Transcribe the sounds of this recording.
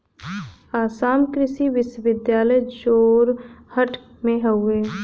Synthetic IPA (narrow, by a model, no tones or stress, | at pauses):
aːsaːmkɾɪʃiʋɪʃwəʋɪd̪jaːləjd͡ʒoːɾhəʈ | mẽɦəʊeː